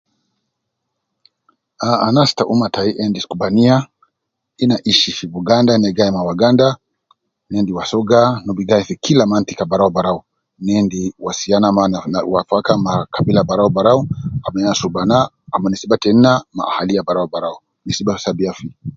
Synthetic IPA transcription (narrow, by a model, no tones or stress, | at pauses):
aanastaʔumataiʔɛndiskubania | inaʔiʃifivuɡandanɛɡaɛmawaɡanda | nɛndiwasɔɡanubiɡaɛfikilamant̪ikabaɾaɔbaɾaɔ | nɛndiwasianamaawafakamakabilabaɾaɔbaɾaɔamɛasubanaː | manisibatɛnama̰ahalijabaɾaɔbaɾaɔ | nisibafsabiafi